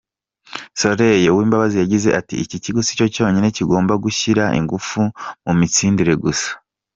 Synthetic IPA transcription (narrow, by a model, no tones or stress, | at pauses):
so̞ɾe̞jewiːmbaβazijaɟize̞ʔatiiciciɡusi̥co̞co̞ːɲine̞ciɡo̞ːmbaɡuçiɾaʔḭŋɡufumumit͡siːndiɾe̞ɡusḁ